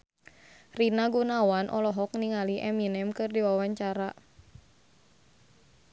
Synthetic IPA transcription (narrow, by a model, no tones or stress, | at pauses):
rinaɡunawanʔɔ̰lɔɦɔk̚niŋaliʔɛminɛmkɨrdiwawaɲt͡ʃaɾa